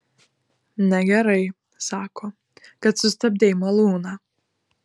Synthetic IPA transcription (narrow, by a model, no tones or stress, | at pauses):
naɡʲaɾaj | saːkʰɔ | kat̪sust̪ab̚d̪ʲɛjmalˠuːna